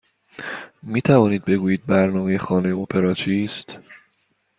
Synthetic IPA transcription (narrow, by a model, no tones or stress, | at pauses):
miːt̪ʰævɒːniːd̪̚be̞ɡuːjiːd̪̚bæɾnɒːme̞jexɒːne̞jeopʰe̞ɾɒːt͡ʃʰiːst̪